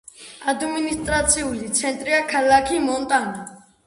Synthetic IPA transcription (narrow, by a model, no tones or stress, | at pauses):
ad̪minist̪ʼɾat̪sʰiulit̪sʰɛnt̪ʼɾiakʰalakʰimɔnt̪ʼana